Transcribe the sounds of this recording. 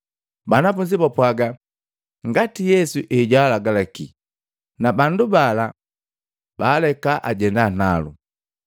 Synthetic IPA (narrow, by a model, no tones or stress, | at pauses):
banafuɲd͡ʒipɔpwaɡa | ŋɡatijɛsuʔɛɟalaɡalakḭ | nabandubala | b̥aːlɛkaʔaɟɛndanalṵ